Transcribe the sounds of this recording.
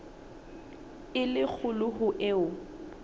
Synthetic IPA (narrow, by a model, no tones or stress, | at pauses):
ɪlɪk͡xʰʊlʊɦʊʔɪʊ